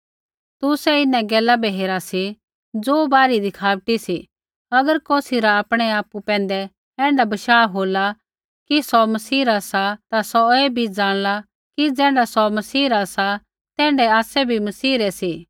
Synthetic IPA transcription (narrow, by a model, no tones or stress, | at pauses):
t̪ʊsɛɪnɛ̃ɡɛːlabɛɦeːɾasi | d͡zoːbaːɾid̪ɪkʰaːʋʈisi | ɐɡəɾkoːsiɾaːpɽ̃ɛaːpupɛ̃ːnd̪ɛ | ɛ̃ːɳɖabɐʃaːɦoːla | kisɔmɐsiːɾasat̪asɔeːbʱid͡zaːɽ̃la | kid͡zɛ̃ːɖasɔmɐsiːɾasa | t̪ɛ̃ːɳɖɛaːsɛbʱimɐsiːɾɛsi